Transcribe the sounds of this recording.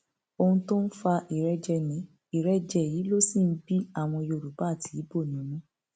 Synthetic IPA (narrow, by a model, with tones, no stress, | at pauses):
o˧hũ˧to˦n̩˦fa˧ʔi˨ɾɛ˦d͡ʒɛ˧nĩ˨˦ | i˦˨ɾɛ˦d͡ʒɛ˧˨jiː˨˦lo˦si˦˨n̩˦bi˦a˦˨w̃ɔ̃˧jo˧˨ɾu˨ba˨˦˨ti˨˦bo˦˨nĩ˨˦nũ˦